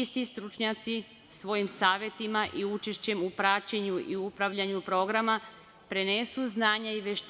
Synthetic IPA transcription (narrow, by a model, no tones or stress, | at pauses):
ist̪ist̪ɾut͡ʃɲat̪si | sʋo̞jimsaːʋje̞t̪imaʔiut͡ʃeʃt͡ɕe̞mupɾat͡ɕeɲuʔiupɾaʋʎaɲupɾo̞ɡɾama | pɾe̞nesuznaːɲaiʋeʃt̪